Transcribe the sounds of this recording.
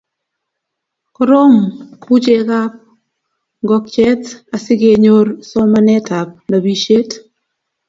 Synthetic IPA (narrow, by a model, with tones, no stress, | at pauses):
kɔ˦ɾo˦mku˦t͡ʃe˦ka˦p̚ | ŋɡɔ˨k̚t͡ʃɛ˦ta˨sɪ˦ɡe˨ɲo˦ɾsɔ˦ma˦nɛ˦ta˨p̚na˨bi˨ʃe˦t